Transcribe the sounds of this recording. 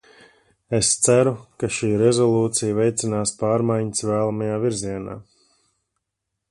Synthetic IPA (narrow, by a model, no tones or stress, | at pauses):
est̪sæɾukaʃiːɾɛzɔlˠuːt̪sijvɛjt̪sinaːspaːɾmajɲsvæːlˠamajaːviɾziɛna̰ː